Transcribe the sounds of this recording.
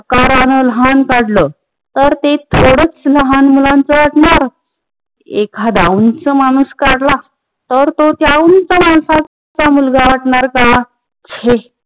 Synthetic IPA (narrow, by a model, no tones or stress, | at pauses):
kaɾanələɦankaɽlə | t̪əɾt̪et̪ʰoɽət͡sləɦanmulãnt͡səʋaʈɳaɾ | ekʰad̪aunt͡səmanuskaɽla | t̪əɾt̪ot̪jaunt͡səmansa | t͡samulɡaʋaʈɳaɾka | t͡ɕʰe